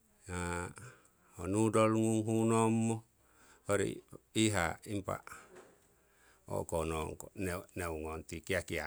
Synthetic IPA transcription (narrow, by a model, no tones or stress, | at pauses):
na | honudɔlŋuŋɦunɔmːo | hoɾḭiɦaimpa̰ | o̰kɔnɔŋkonneuŋɔnt̪ikiakia